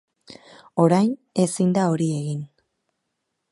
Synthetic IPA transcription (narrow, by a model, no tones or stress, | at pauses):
o̞ɾajn | e̞sind̪ao̞ɾie̞ɣin